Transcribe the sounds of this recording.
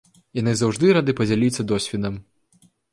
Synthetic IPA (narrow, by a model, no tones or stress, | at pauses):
janɨzawʐd̪ɨɾad̪ɨpɐd͡zʲalʲit̪sːɐd̪ɔsʲvʲɛd̪ɐm